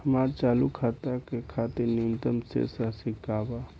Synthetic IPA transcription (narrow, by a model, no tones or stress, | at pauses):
həmaːɾt͡ʃaːlukʰaːt̪akekʰaːt̪ɪɾnimt̪əmsḛsasɪkaːba